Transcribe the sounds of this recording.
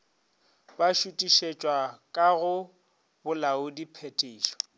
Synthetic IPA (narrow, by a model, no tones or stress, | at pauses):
baʃutʼiʃet͡ʃʼwakʼaɣʊ | bʊlaʊdipʰetʼeiːʃɔ̥